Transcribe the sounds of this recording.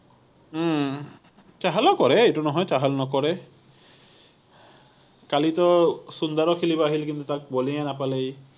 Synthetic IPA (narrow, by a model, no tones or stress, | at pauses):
t͡ʃaɦalɔkɔɹɛejtunɔɦɔjt͡ʃaɦalɔnɔkɔɹɛ | kalitɔsund̪ɔɹɔkʰilibɔaɦilkint̪utak̚bolijanapalej